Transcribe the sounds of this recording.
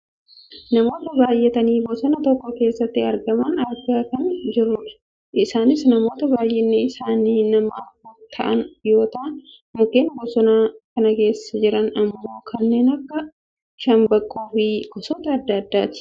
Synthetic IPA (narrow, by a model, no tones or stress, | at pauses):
nɐmo̞ːt̪ɐbaːjːɛt̪ɐniːbɔsɔnɐt̪ɔkːɔke̞ːsːɐt̪ːɪɐɾɡɐmɐnɐɾɡakɐnd͡ʒɪrːʊᶑɐ̥ | ɪsaːnɪsnɐmo̞ːt̪ɐbaːjʔɛnːɛɪsaːniːnɐmɐɐfɐt̪ʰɐ̰ʔɐnjo̞ːt̪ɐʔɐn | mʊkeːnbɔsɔnaːkɐnɐke̞ːsːɐd͡ʒɪɾɐnɐmːo̞ːkɐnːe̞ːnɐkːɐ | ʃɐmbɐkʼːoːfiːkɔsoːt̪ɐːd̪ːɐd̪ːa̰ːt̪ɪ̥